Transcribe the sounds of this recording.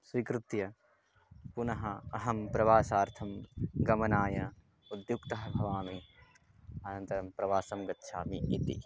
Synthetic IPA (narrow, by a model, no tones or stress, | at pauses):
sʋikɾut̪jɐ | punɐɦɐɐɦɐmpɾɐʋaːsaːɾt̪ʰɐmɡɐmɐnaːjɐ | ud̪jukt̪ɐɦɐbʱɐʋaːmi | ɐnɐnt̪ɐɾɐmpɾɐʋaːsɐmɡɐtːʃʰaːmiʔit̪ḭ